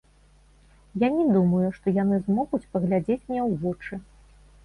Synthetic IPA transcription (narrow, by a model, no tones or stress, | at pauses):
janʲɛd̪umɐjuʂt̪ɔjanɨzmɔɣut͡sʲpɐɣlʲad͡zʲet͡sʲmnʲɛwvɔt͡ʂɨ